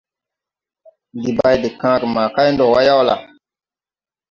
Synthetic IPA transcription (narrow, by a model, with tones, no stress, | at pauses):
ndi˨ba˨jde˨kã˦ɾma˨ka˦jndɔ˨wa˦ja˦wla̰˨